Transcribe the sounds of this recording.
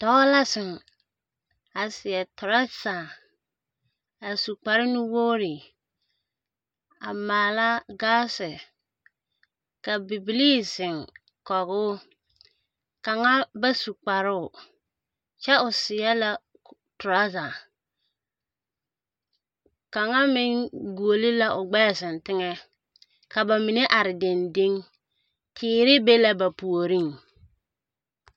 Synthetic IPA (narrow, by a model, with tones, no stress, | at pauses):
tɔ˦la˦sɪ˨ŋ | a˨sɪ˨jɛ˨tʊ˨ɾa˦sa˨ | a˨su˨k͡pa˨ɾɪ˦nɪ˦woː˦ɾɪ˨ | a˨maː˨la˦ɡaː˦sɪ˨ | ka˨bi˨bi˨li˦sɪ˨ŋ | kɔ˨ɣʊ˦ | ka˨ŋa˦ba˦su˨k͡pa˨ɾʊ˦ʊ˨ | t͡ʃɛ˦ʊ˨sɪ˨ja˦la˦ | tʊ˨ɾa˦za˨ | ka˨ŋa˦mɪ˦ŋɡu˨o˨li˦la˦ʔʊ˨ɡ͡bɛ˦˨sɪ˨n˨tɪ˦ŋɛ˦ | ka˨ba˨mɪ˨ne˦ʔa˨ɾɪ˨de˨nde˦ŋ | tʰɪː˨˦ɾɪ˦be˦la˦ba˨pu˨o˨ɾi˦ŋ